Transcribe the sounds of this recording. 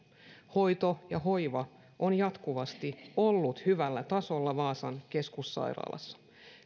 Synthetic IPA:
ho̞jt̪o̞jɑho̞jʋɑ | ʔonjɑt̪kuʋɑst̪io̞lːut̪hyʋælːæt̪ɑso̞lːɑʋɑːsɑnke̞skusːɑ̰jɾɑ̰ːlɑ̰sːɑ̥

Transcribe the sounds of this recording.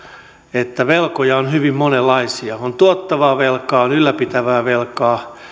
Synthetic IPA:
et̪ːæʋelkojɑonhyʋimmonelːɑisiɑont̪uot̪ːɑʋɑːʋelkɑːonylːæpit̪æʋæːʋelkɑː

